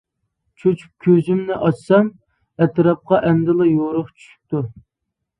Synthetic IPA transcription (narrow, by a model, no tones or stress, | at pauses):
t͡ʃʰot͡ʃʰy̥p̚kʲʰøzymnɪʔɑt͡ʃsɛm | ɛt̪ɾɑp̚qɑʔɛnd̪ɪlˠɑjoɾʊχt͡ʃʰy̥ʃy̥k̚ʲt̪u